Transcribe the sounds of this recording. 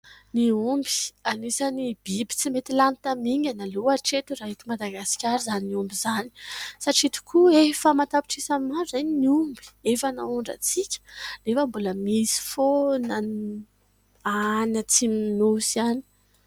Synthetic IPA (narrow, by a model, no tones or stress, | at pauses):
niumbi̥anisanib̥ibi̥t͡simet̪ilant̪amiŋɡʲanaluaʈ͡ʂet̪uɾaɦit̪umad̪aɡasi̥kʲaɾizaniumbizani̥saʈ͡ʂit̪u̥kʰuefəmat̪apiʈ͡ʂisamimaɾuzanniumbi̥efana̰uɳɖ͡ʐə̰t͡sikʲə̥lefəmbuləmisi̥fonan | anat͡siminusiani̥